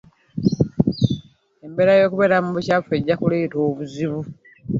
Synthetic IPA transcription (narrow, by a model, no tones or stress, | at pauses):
e̞mbe̞ɾajo̞ːkuβe̞ɾamuβucafue̞ɟːakuleːto̞ːβuziβu